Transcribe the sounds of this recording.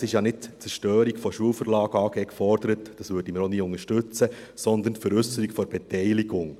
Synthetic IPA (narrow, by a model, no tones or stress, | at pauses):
sɪʃjɑnɪt̚t͡sɛʃtøːɾikfɔʃuəlfəɾlɑːɡ̥əɑːɡ̥ɛːkfɔɾd̥əɾətd̥ɑsʋøːɾd̥iməɾoniːʊŋəʃtɵt͡sə | sɔnd̪əntfɛɾʏsəɾikfɔɾb̥ɛtɛɪliɡʊŋ